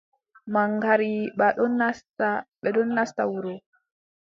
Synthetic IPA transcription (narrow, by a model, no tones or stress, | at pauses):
maŋɡaɾiɓaɗɔnːastaɓɛɗɔnːasta̰wuɾɔ